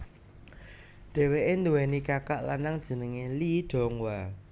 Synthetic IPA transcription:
d̪̥ɛ̤weʔend̪uwɛnikakaʔla̰naŋd̥ʒ̥ə̤nəŋeliɖ̪̥ɔ̤ŋwa

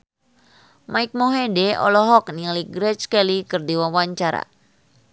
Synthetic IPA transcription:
maik̚mɔɦedɛɔ̰lɔɦɔk̚niliɡɾɛt͡ʃkɛlikɨrdiwawaɲt͡ʃaɾa̰

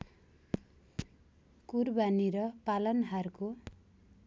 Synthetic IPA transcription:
kurbaniɾʌpalʌnɦarko

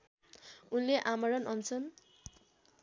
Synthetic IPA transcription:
unleʔamʌɾʌnʌnt͡sʰʌn

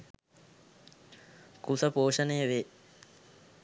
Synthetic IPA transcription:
kusəpoːʂənəjəʋeː

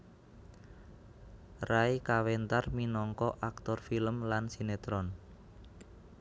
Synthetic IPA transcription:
raikawɛnt̪arminɔŋkɔʔak̚t̪ɔrfiləmlansinet̪ɾɔn

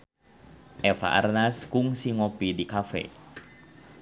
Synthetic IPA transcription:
ʔɛfa̰ʔa̰rnaskuŋsiŋɔpidikafɛ̰

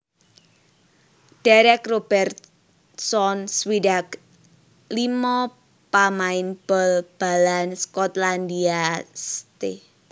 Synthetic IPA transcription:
ɖ̥aɾɛkrob̥ɛrt̪̚ | sɔnswidak | limɔ | pamaɪnb̥ɔlb̥a̤lanskɔt̪landiast̪e

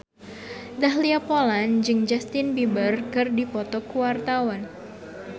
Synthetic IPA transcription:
daɦliapoland͡ʒɨŋd͡ʒast̪ɪnbibərkɨrdipɔt̪ɔkuwart̪awan

